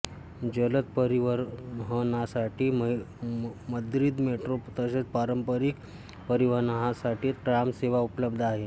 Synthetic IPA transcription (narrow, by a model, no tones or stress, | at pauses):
d͡ʑələt̪̚pəɾiʋəɾɦənasaʈiːm | məd̪ɾiːd̪meʈɾot̪əset͡spaɾəmpəɾik | pəɾiʋəɾnaɦasaʈiːt̪ʈɾamseʋaupləbd̪ʱaɦe